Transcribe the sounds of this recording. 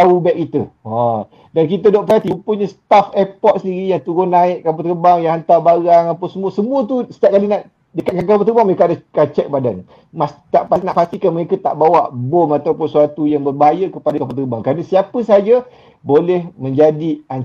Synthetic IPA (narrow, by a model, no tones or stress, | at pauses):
aubɛʔkit̪əa | dankit̪ədɔʔpɾat̪ipuɲəst̪afɛpɔt̪̚səndiɾijaŋt̪uɾonaɪʔkap̬at̪əəbaŋjaŋɦant̪abaɣaŋapəsəmuəsəmũət̪̬usə̥t̪aʔ̚kalinaʔ | dəkat̪̚kankapat̪əbaŋməekaadakat͡ʃɛk̚badan | mast̪aʔpanaʔpast̪ikanməɾekət̪a̰ʔbawaʔbomat̪awpʊnsuat̪ujaŋbərbəɦajəkəpadəkapat̪̬əəbaŋkɾanəsiapəsəad͡ʒə | bolɛhmə̃ɲd͡ʒadian